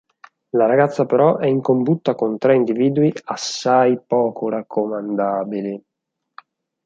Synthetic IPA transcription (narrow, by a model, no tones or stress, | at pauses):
laɾaɡat̪sːapeɾɔʔɛiŋkombut̪ːakont̪ɾɛind̪iviːd̪uiasːajpɔːkʰorakʰːomand̪aːbili